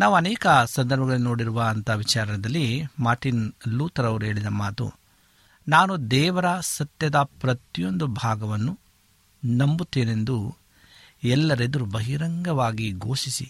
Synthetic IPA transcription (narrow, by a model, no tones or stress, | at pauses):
naːʋuɐnɛːkɐsɐnd̪ɐɾbʱɐɡɐɭinoːɽiɾuʋaɐnt̪ɐʋit͡ʃaːɾɐnɛd̪ɐlːimaːɾʈinluːt̪ɐɾɐʋɾuɦe̞ːɭid̪ɐmaːt̪ṵ | naːnud̪ɛːʋɐɾɐsɐt̪jɐd̪ɐpɾɐt̪ijo̞nd̪ubʱaːɡɐʋɐnːu | nɐmbut̪ːeːne̞nd̪u | ɛlːɐɾed̪ɐɾubɐɦiɾɐŋɡɐʋaːɡiɡoːʃisi